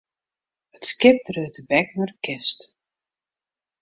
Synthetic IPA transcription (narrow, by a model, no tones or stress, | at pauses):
ətskɪp̚trøːtəbɛknarəkʰɪst